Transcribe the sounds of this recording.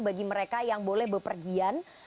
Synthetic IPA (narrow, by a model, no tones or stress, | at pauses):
baɡiməɾekajaŋbolɛhbəpərɡian